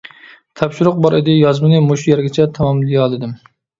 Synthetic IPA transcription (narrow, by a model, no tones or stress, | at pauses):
t̪ʰɑpʃuɾʊq̚bɑɾɪd̪ɪjɑzmɨnɨmoʃujɛɾɡʲɪt͡ʃʰɛt̪ʰɑmɑmllijɑlˠɨd̪ɪm